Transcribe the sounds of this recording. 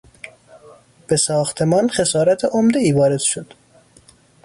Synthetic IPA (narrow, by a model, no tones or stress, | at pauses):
b̥esɒːxt̪ʰe̞mɒːnxe̞sɒːɾæt̪ʰeʔomd̪eiːvɒːɾe̞d̪̥ʃod̪̥